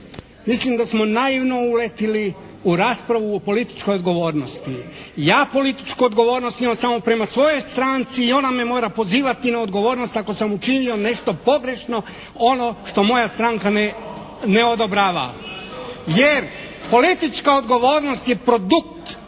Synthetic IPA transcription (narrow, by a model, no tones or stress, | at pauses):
mislimd̪asmo̞naiʋno̞ulet̪ili | uɾaːspɾaʋuopo̞lit̪i̥t͡ʃko̞jod̪ɡo̞ʋo̞ːɾno̞st̪ijaːpo̞lit̪i̥t͡ʃkuod̪ɡo̞ʋo̞ːɾnost̪imamsamo̞pɾe̞masʋo̞jo̞jst̪ɾaːnt̪siːo̞name̞mo̞ːɾapo̞ziːʋat̪inao̞d̪ɡo̞ʋo̞ːɾno̞st̪ako̞samut͡ʃinio̞ne̞ʃt̪o̞po̞ɡɾe̞ʃno̞ | o̞no̞ʃt̪o̞mo̞jast̪ɾaːŋkan | neod̪obɾaːʋa̰ | jeɾ | po̞lit̪it͡ʃkao̞d̪ɡo̞ʋo̞ːɾno̞st̪je̞pɾo̞d̪ukt̪